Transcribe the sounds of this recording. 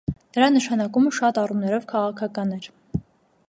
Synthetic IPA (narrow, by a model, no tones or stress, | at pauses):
nəɾɑnəʃɑnɑkuməʃɑt̪ɑrumnɛɾɔvkʰɑʁɑkʰɑkɑnɛɾ